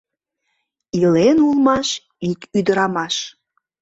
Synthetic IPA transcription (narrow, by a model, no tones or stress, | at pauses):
ilenulˠmɑʃ | ikyd̪əɾɑmɑʃ